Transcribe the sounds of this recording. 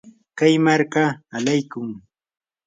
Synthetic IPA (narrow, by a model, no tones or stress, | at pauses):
kajmaɾkaːlajkʊŋ